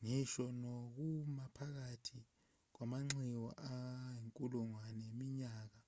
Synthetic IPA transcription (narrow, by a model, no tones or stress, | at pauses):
ŋiʃɔnok̬umapʰak̬atʰi | k̬wamaŋ͡ǁiwɔ̰ʔajeŋkʼuluŋwanemiɲaːk̬a